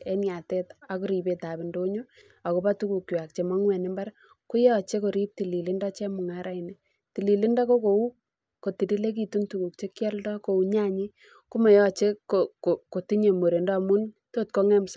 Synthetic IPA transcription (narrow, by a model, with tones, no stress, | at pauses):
ɛ˦nja˨tɛ˦ta˨ku˦ɾi˨be˨ta˨bi˨ndo˦ɲo˦ | a˨ko˨pa˦tu˦ku˨kːwa˨k̚t͡ʃe˨ma˦ŋwɛ˨nɪ˦mba˦ɾ | ku˦jɔ˦t͡ʃe˦ko˨ɾi˦p̚ti˨li˨li˦nda˦t͡ʃe˦mʊ˨ŋa˦ɾa˦i˨nɛ˨ | ti˨li˨li˦nda˦ko˦ko˨u˦ | ko˨ti˨di˦le˦k̬i˨tu˦ntu˨ku˨k̚t͡ʃe˦kjɛ˦ldɔ˦ko˨u˨ɲa˦ɲi˦ | ku˦ma˨jɔ˦t͡ʃe˦ko˨ko˨ko˨ti˦ɲe˨mo˨ɾe˨ndɔ˦˨mu˦nto˦t̚ko˦ŋɛ˦msa˦